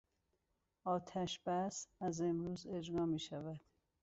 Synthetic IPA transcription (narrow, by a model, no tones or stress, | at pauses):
ɒːt̪ʰæʃb̥æsæze̞mɾuːze̞d͡ʒɾɒːmiːʃævæd̪̥